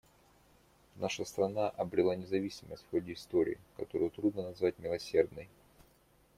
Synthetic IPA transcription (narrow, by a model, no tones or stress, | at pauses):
naʂəst̪ɾɐnaʔɐbɾʲɪlˠanʲɪzɐvʲisʲɪmə̰sʲtʲfxo̞dʲɪːst̪oɾʲɪ̰ːkɐt̪o̞ɾɨjʊt̪ɾud̪nənɐzvatʲmʲɪlˠɐsʲe̞rd̪nəj